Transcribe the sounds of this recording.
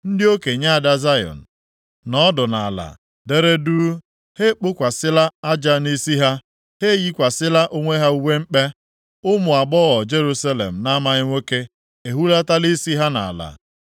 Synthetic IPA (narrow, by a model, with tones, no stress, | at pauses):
n̩˦dɪ˦o˦ke˨ɲa˦a˨da˦za˦jɔ̰˨n̩˨ | nɔ˦dʊ˨na̰˨a˨la̰˨ | de˦ɾe˦du˦ | he˦k͡pʊ˦kʷa˨sɪ˦la˦a˦d͡ʒa˦ni˦si˦ɦa˦ | he˦ji˦kʷa˨sɪ˦la˦ʔo˦ŋʷe˦ɦa˦u˦we˦m̩˦k͡pe˦ | ʊ˦mʊ˨a˨ɡ͡bɔ˦ɣɔ˨d͡ʒe˦ɾu˦sa˦lḛ˨m̩˨na˦ma˨ɣɪ˦ŋʷe˦ke˦ | e˨ɦu˦la˦ta˦li˦si˦ɦa˦na̰˨la̰˨